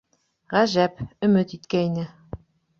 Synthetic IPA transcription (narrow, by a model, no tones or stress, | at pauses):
ʁæʒæpɵ̆mɘt̪it̪kæinɘ